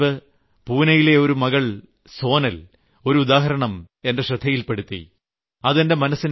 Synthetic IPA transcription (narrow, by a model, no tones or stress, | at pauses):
ɨ | puːnɐjile̞o̞ɾumɐɣɐɭ | so̞ːnɐl | o̞ɾuud̪aːɦɐɾɐɳɐm | e̞ndeɕrɐd̪ʱːɐjilpeɽut̪ːḭ | ɐðende̞mɐnɐsin